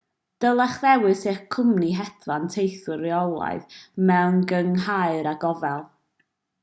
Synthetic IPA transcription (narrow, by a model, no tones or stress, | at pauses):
d̥əlˠaχðɛwɨseχkʰʊmniɦɛdlantʰejθʊɾjɔlˠa̰ɨðmɛwnɡəŋɦaɨɾaɡɔvɛlˠ